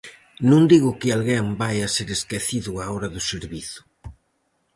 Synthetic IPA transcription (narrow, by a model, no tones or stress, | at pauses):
nũŋd̪iɣʊkɪalɣeŋbajaseɾeskeθiðʊaoɾɐðʊseɾβiθʊ̥